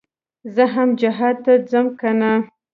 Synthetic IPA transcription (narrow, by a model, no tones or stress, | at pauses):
zəɦamd͡ʒaɦɑd̪̚t̪ad͡zəmkana